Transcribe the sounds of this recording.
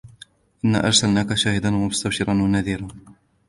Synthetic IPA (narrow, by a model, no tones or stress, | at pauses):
ʔɪnːa̰ːʔɑɾˤsalnaːkaʃaːhɪd̪anwamʊst̪abʃɪɾˤɑnwanaðiːɾaːn